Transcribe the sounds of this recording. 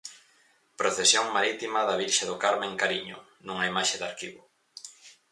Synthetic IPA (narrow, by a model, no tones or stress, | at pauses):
pɾoθesjoŋmaɾit̪imɐðɐβ̞iɾʃaðʊkaɾmẽŋkaɾiɲʊ̰ | nuŋɐimaʃeðaɾkiβʊ